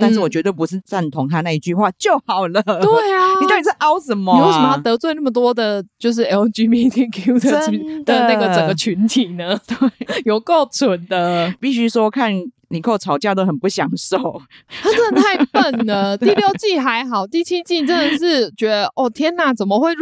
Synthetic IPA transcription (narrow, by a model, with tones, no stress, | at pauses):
t̪a˥˧nʂ̬̩˥˩wɔ˨˩t͡ɕɥɛ˧˥t̪we˥˩pu˧˥ʂɻ̩˥˧t͡sa˥˩nt̪ʰʊ˧˥ŋt̪ʰa˦˥na˥˧i˥˧t͡ɕy˥˧xwa˥˧t͡ɕjo˥˩ʊhɑ˨˩ʊlə˦t̪we˥˩ɪai˨˩˥pi˨˩ʂ̩˥˩ʔɑ˥ʊsə˨˦mɔ˨˧˨wst̪ɤ˧˥t͡swe˥˧na˥˩mə˩t̪̬wɔ˥d̪ə˨t͡ɕjo˥˧ʊʂ̬ɻ̩˥˩ɛ˧˥˧t͡ɕy˧˥mi˧˥t̪ʰi˥kʰu˥ə˨˧d̪ə˧na˥˩ɡə˩t͡sə˨ŋɡə˩t͡ɕʰy˧˥nt̪ʰi˨˩nə˨˦t̪we˥˩jo˨˩ʊko˥˩ʊt͡sʰʊ˨˩nd̪ə˧pi˥˩ɕy˥swɔ˥kʰa˥˩n | li˨˩kʰo˥˩ʊt͡sʰɑ˨˩ʊt͡ɕjt̪o˥ʊxə˨˩npu˥˩ɕjɑ˨˩ŋʂo˥˨˩ʊa˥t͡sə˥˩˧t̪ʰa˥˧ɪpə˥˩nnə˩t̪i˥˧ljo˥˧ʊt͡ɕi˥˩ɦa˧˦ɪɦɑ˨˩ʊt̪i˥˩t͡ɕʰi˦˥t͡ɕi˥˩ʈ͡ʂə˥nd̪ə˨˩ʂɻ̩˥˩t͡ɕɥɛ˧˥d̪ə˧ʔɔ˥˩t̪ʰjɛ˥na˨˩t͡sə˨˩nmə˨xwe˥˧ɪ